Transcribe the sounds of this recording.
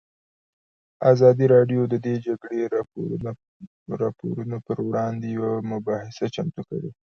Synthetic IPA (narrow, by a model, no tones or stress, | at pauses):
azɑd̪iɾɑɖjod̪əd̪ed͡ʒaɡɽe | ɾɑpo̰ɾunopəɾwɽɑnd̪ejawamʊbɑhɪsat͡ʃamt̪uka̰wi